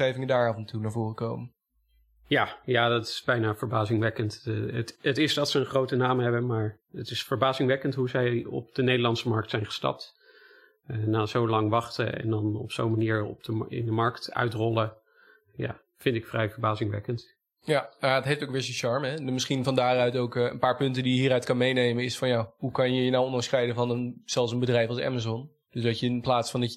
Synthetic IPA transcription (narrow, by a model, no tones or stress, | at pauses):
ejvɪŋədaːɹaːvəntunaːvʊːrəkowmən | jaːjaːdɑtɪ̥sbɛjnaːvəɹbaːzɪŋʋɛkənttətɪzdɑtsəənχrowtənaːmɦɛbənmaːɹ | ətɪsfəɹbaːzɪŋʋɛkəntɦuzɛjɔ̰p̚d̥ənejdəɹlɑnsəmɑɹk̚tsɛjnχə̥stɑ̰p̚t | ənaːzowlɑŋʋɑχtə̰ɛ̰ndɑnɔ̰psowmaniːɹɔ̰b̚dəɪ̰ndəmɑɹktœ̰ɥtrɔlə | ja̰ː | fɪntɪkfrɛjvəɹbaːzɪŋʋɛ̰kənt | janaətɦejftoʊwkʋɪːɹzənʃɑɹmɛəmɪsχinvɑndaːrœɥtowkə̰npaːɹpɵntəndijəɦiːɾœɥtkɑnmejnejmənɪsfɑnjaɦukɑnjəjənawɔnlɑŋsχrɛjdəvɑnənz̥ɛlˠs̬ənbədrɛjfɑlˠsɛ̰mazɔn | d̥ɵsdɑcəɪnplaːtsfɑndɑ